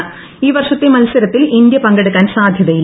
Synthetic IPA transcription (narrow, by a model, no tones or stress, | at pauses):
iːʋɐrʂɐt̪ːemɐlsɐɾɐt̪ːilind̪jɐpɐŋɡeɽukːaːnsaːd̪ʱjɐðɐji